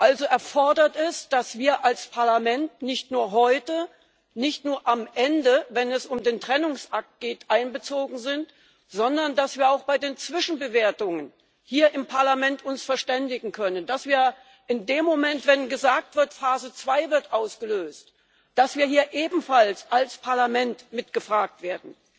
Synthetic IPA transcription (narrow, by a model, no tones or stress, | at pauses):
ʔalzoʔɛɐfɔɐdɐtɛsd̥asv̥iːɐʔalspʰaɐlamɛntnɪçtnuːɐɦɔʏtə | nɪçtnuːɐʔamʔɛndəvɛnɛsʊmdeːntʁ̥ɛnʊŋsʔak̚t̚ɡ̥eːtʔaɪnbət͡soːɡŋ̩zɪnt | z̥ɔndɐndasv̥iːɐaʊxb̥aɪdeːnt͡sv̥ɪʃn̩bəveːɐtʊŋən | hiːɐʔɪmpʰaɐlamɛntʰʊnsfɛɐʃtɛndɪɡŋ̩kʰœnənd̥asv̥iːɐ | ʔɪndeːmːomɛntv̥ɛnɡəzaːk̚tv̥ɪɐtfaːzət͡sv̥aɪvɪɐtʔaʊsɡ̥əløːst | d̥asv̥iːɐhiːɐʔeːbm̩falsʔalspʰaɐlamɛntmɪtɡ̥əfʁ̥aːk̚tv̥eːɐdn̩